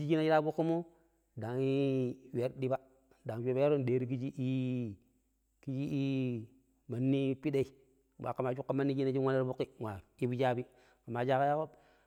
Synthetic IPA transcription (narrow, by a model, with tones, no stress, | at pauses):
d͡ʒi˦d͡ʒi˦na˦d͡ʒi˦ɾa˦bu˦kːi˦mo˦ | da˨ŋi˦we˨ɾdi˦ba˦ | da˨ŋ˨d͡ʒe˦a˦ja˦ɾo˦n˨deː˨ɾi˦ki˦d͡ʒi˦ʔi˦ | ki˦d͡ʒi˦i˦ | ma˨nːi˦pi˦de˦i˨ | wa̰˨ka˨ma˨t͡ʃu˦kːa˦ma˦nːi˦d͡ʒi˦na˦d͡ʒi˦a˦na˦ɾbu˦kːi˦wa˨i˦bu˦d͡ʒa˦bi˦ | ka˨ma˨d͡ʒa˦ka˦ja˦ko˦